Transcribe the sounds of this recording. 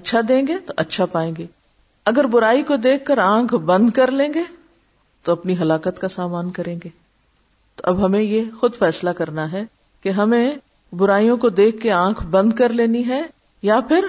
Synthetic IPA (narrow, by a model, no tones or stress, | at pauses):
ɐtːʃʰad̪ẽːŋɡet̪oʔɐtːʃʰapaːẽːŋɡeː | ɐɡəɾbʊɾaːikod̪eːkʰːəɾãːkʰbɐ̃nd̪kɐɾlẽːŋɡeː | t̪oɐpniɦɐlaːkət̪kasaːmaːnkɐɾẽːŋɡeː | t̪oɐbɦɐmẽjexʊd̪fɛːslakɐɾnaɦɛ | keɦɐmẽ | bʊɾaːijõkod̪eːkʰːeãːkʰbɐ̃nd̪kɐɾleːniɦɛ | japʰɪɾ